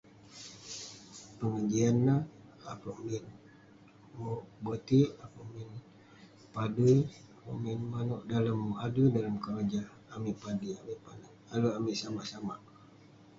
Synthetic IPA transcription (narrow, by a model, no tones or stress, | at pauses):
pəŋəɲd͡ʒianːah | apaʔmin | mobət̪iʔapaʔmin | paduj | apa̰ʔminmanɔʔdaləmːuʔadudalamkəɾad͡ʒaː | miʔpadiamiʔpana | aluamiʔsamaʔsamaʔ